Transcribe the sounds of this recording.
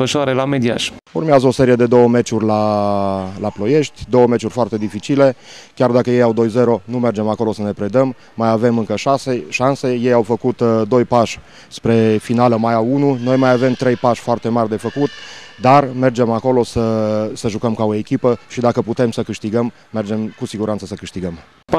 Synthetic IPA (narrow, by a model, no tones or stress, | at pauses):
əʃoaɾelame̞d̪ia̰ʃurmeazəo̞se̞ɾije̞d̪e̞d̪o̞wəme̞t͡ʃurʲla | laplo̞je̞ʃt̪ʲd̪o̞wəme̞t͡ʃurʲfoart̪e̞d̪ifit͡ʃile̞kʲard̪akəje̞jawd̪o̞jze̞ɾo̞nume̞rd͡ʒe̞mako̞lo̞səne̞pɾe̞d̪əmː | ajave̞mɨŋkəʃaseʃanse̞je̞jawfəkut̪d̪o̞jpaʃʲ | spɾe̞finaləmajaununo̞jmajave̞mt̪ɾe̞jpaʃʲfoart̪e̞marʲd̪e̞fəkut̪d̪arme̞rd͡ʒe̞mako̞lo̞səsəʒukəmkaoekʲipəʃid̪akəput̪e̞msəkɨʃt̪iɡəmːe̞rd͡ʒe̞mkusiɡuɾant̪səsəkɨʃt̪iɡəm